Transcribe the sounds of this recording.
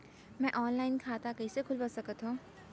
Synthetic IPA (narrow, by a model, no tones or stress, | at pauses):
mɛ̃ʔɔːnlaːɪnkʰaːt̪akɐisekʰʊlbɐsɐkət̪ɦõː